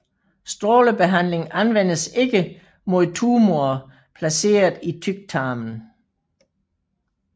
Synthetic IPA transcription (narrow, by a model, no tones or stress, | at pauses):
sd̥ʁoːləb̥e̝ɦæn̰le̝ŋænʋen̰əse̝ɡ̥ə | mo̝ðˠt͡sʰuːmoɐ | pʰlæse̝̰ːɐð̩ˠit͡sʰyɡ̥̚t͡sʰɑ̈ːmn̩